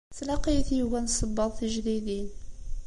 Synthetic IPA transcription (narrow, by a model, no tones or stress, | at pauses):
t͡sːlɑqijθjuɣænsˤəbːɑðˤθəʒðiðin